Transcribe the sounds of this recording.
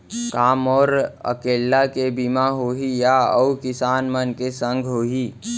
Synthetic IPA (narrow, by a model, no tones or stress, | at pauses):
kaːmɔːɾə̰keːlːakebimaɦoːɦijaəukɪsaːnmənkesə̃ŋɡʱɦoːɦiː